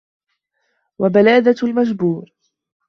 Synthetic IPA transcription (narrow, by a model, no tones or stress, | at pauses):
wabalaːd̪almad͡ʒbuːɾ